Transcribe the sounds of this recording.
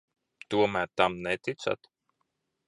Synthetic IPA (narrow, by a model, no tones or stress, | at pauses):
t̪uɔmæːɾt̪amnɛt̪it̪sa̰t̪